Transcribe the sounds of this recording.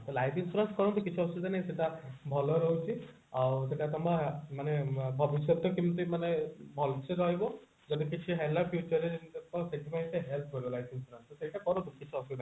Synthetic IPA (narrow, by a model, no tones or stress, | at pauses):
t̪olajpinspɾanskɔɾɔnt̪ukit͡ʃʰiɔst̪ud̪anajseʈabʱɔlɔɾɔɦut͡ʃʰi | awseʈat̪ɔmamanebʱɔbisjɔt̪ɔkimt̪uimanebʱɔlseɾɔɦijbɔ | d͡ʒɔd̪ikit͡ʃʰiɦelapʰjut͡ʃɔɾent̪ɔseʈʰipaĩseɦelpʰkɔɾibɔlajpʰinspɾansɔsejʈakɔɾɔt̪ukit͡ʃʰiɔst̪ud̪a